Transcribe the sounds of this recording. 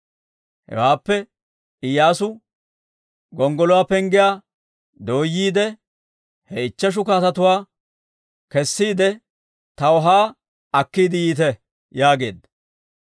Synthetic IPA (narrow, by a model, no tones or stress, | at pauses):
hɛ̰waːpːɛ | ɪjaːsʊ | ɡɔŋɡɔlɔwaːpɛŋɡɪjaː | d̪o̞ːjːiːd̪ɛ | hɛɪt͡ʃːɐʃ̬ʊkaːt̪ɐt̪ʊwaː | kɛsːiːd̪ɛ | t̪ɐwɔɦaː | ɐkːiːd̪ɪjiːt̪̬ɛ | jaːɡe̞ːd̪ɐ